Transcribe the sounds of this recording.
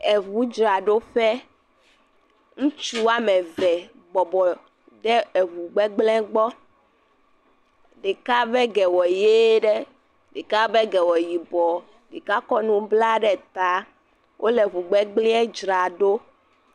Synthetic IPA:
ɛ˨vu˨˦d͡ʒɾa˨ɖo˦ɸɛ˦ | ŋũ˦t͡ʃu˦wa˦mɛ̃˨vɛ˨ | ɡ͡bɔ˨bɔ˨ | ɖɛ˦ɛ˨βu˨ɡ͡bɛ˦ɡ͡blɛ̃˦ɡ͡bɔ˦ | ɖe˨ka˦bɛ˦ɡɛ˨wɔ˨je˦ɖɛ˦ | ɖe˨ka˦bɛ˦ɡɛ˨wɔ˨ji˨bɔ˨ | ɖe˨ka˦kɔ˦nũ˦bla˦ɖɛ˦t̪a˦ | wʔo˦lɛ˨βu˨ɡ͡bɛ˦ɡ͡blĩ˦ɛ˦d͡ʒɾa˨ɖo˦

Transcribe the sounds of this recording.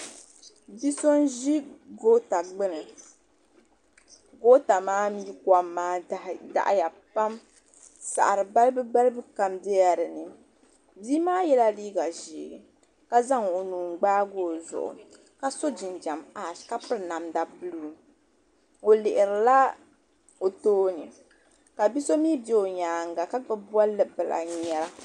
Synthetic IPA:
bi˦so˦nʒi˦ɡo˦ta˨ɡ͡bɨ˦nɨ˨ | ɡo˦ta˨maː˦mi˦ka˦mːaː˦da̰˨ʔja˨ | pa˦m | sa̰˨ʔɾɨ˨ba˦lbɨ˦ɡ͡ba˦lɨ˦bɨ˦ka˨mdɛ˦a˨ɾɨ˨nɨ˨ | biː˦maː˦jɛ˦la˦liː˦ɡa˨ʒiː˨ɡɨ˨ | ka˦za˦ŋo˨nuː˨ŋ˨ɡ͡baː˦ɡoː˦zʊ̰˨ʔʊ̰˨ | ka˦so˦d͡ʒɪ˨nd͡ʒa˨maː˨ʃka˦pɨ˦ɾna˨mda˨pɨ˦lu˦˨ | o˨lɪ˨ʔɪ˨ɾɨ˨la˦ | o˨toː˦nɨ˨ | ka˨bi˦so˦miː˦bɛ˦˨o˨ɲaː˨ŋɡa˨ka˦ɡɨ˦bu˦a˦lːɨ˨bɨ˨la̰˨ɲɛ˦ɾa˦

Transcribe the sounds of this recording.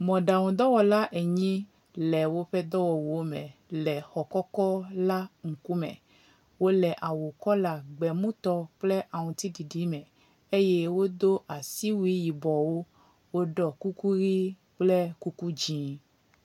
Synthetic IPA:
mɔ̃˨ɖa˨wũ˨d̪ɔ˦wɔ˨la˦ʔe˨ɲĩ˦ | lɛ˨wo˦ɸɛ˦d̪ɔ˦wɔ˨wo˨˦mɛ̰̃˨lɛ˨xɔ˨kɔ˦kɔ˦la˦ŋ̩˨ku˦mɛ̰̃˨ | wo˦lɛ˨ʔa˨wo˨kɔ˦la˨ɡ͡bɛ˨mũ˦t̪ɔ˦k͡ple˦ʔa˨ŋũ˨t̪i˦ɖi˨ɖi˨˦mɛ̃˨ | e˦je˦wo˦d̪o˦ʔa˨si˦wi˦ji˨bɔ˨wo˦ | wo˦ɖɔ˨ku˦ku˦ɾi˦ | k͡ple˦ku˦ku˦d͡ʒĩ˦

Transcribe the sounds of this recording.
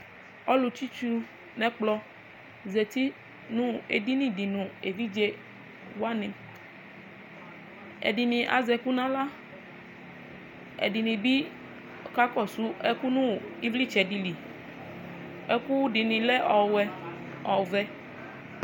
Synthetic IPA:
ɔ˦lu˧t͡ʃi˦t͡ʃu˧ | nɛ̃˨k͡plɔ˧ | ze˨t̪i˦ | nũ˦e˨di˦nĩ˦di˨nũ˨e˨vi˦d͡ʒe˦ | wa˦nĩ˧˨ | ɛ̰˨di˨nĩ˨ʔa̰˨zɛ˧ku˦nã˦la˦ | ɛ̰˨di˨nĩ˨bi˦˨ | ka˦kɔ˦˨su˦ɛ˦ku˦nũ˦i˦vli˦t͡ʃɛ˨di˨li˨ | ɛ˦ku˦di˨nĩ˨lɛ˦ʔɔ˨wɛ˦ | ɔ˨vɛ˦

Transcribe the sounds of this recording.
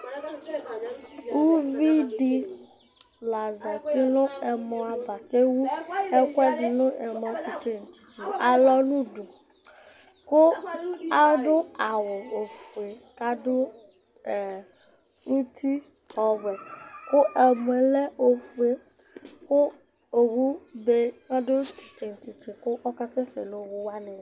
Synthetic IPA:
u˦vi˦ɖi˦ | la˨zɔ˨t̪i˦nʊ̃˦ɛ˨mɔ̃˨a˨ba˨ke˦wu˦ɛ˦kwɛ˦d͡ʒi˨nʊ̃˦ʔɛ˨mɔ̃˨t͡ʃi˨t͡ʃe˦n̩˨t͡ʃi̥˨t͡ʃi˨a˨lɔ˦nũ˦ɖo˨ | kʊ˦a˦dʊ˦a˨wo˨o˨fu˨e˨ka˦do˦ | ɛ˨ | u˦t̪ʰi˦ | hɔ˨vɛ˨kʊ˦ʔɛ˨m˨e˨le˦o˨fu˦˨e˦ | kʊ˦ | o˨wu˦be˦ŋa˦do˦t͡ʃi˨t͡ʃe˨n̩˨ti˨t͡ʃe˨kʊ˦ʔɔ˦ka˦te˦sḛ˨lo˨˦wʊ˦wa˦nɛ̃˨

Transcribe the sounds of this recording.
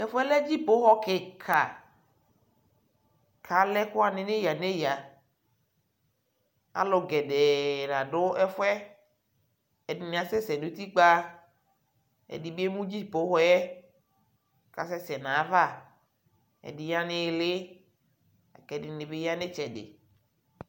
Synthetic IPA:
ɛ˦fɛ˦lɛ˦d͡ʒi˦po˦ɦɔ˦ke˨kʰa˨ | kʰa˨lɛ˦kʊ˦a˨nɪ˨ne˦ja˨ne˦ja˨ | a̰˨lo˨ɡɛ˨ɖe˨nã˨ɖʊ˦ʔɛ˦fɛ˦ | e˨di˨nẽ˨a˨sɛ˦sɛ˨nũ˦t̪i˦k͡pa˦ | ḛ˨di˨be˦mũ˦d͡ʒi˦˨po˨˦ɦɔ˦jɛ˦ | ka̰˨sɛ˦sɛ˨nã˨˦va˦ | ḛ˨di˨ja˦nɪ˦˨lɪ˦ | a̰˨kɛ˨˦di˨nɪ˨be˦ja˦ne˦t͡ʃɛ˨dḛ˨

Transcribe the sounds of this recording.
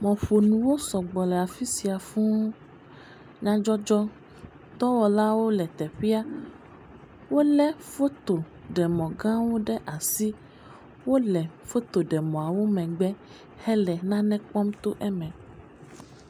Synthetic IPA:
mɔ̃˨ɸo˨nũ˨wo˦sɔ˨ɡ͡bɔ˨lɛ˨a˨fi˦si˨a˨fũ˦ | ɲã˦d͡ʒɔ˦d͡ʒɔ˦ | t̪ɔ˦wɔ˨la˦wo˦lɛ˨t̪ɛ˨ɸi˦a˦ | wo˦lɛ˦fo˦t̪o˨ | ɖɛ˨mɔ̃˨ɡã˦wo˦ɖɛ˦ʔa˨si˦ | wo˦lɛ˨fo˦t̪o˨ɖɛ˨mɔ̃˨a˨wo˦mɛ̃˨ɡ͡bɛ˦ | hɛ˦lɛ˨nã˦nɛ̃˦k͡pɔ˦mt̪o˦ʔɛ˦mɛ̃˨

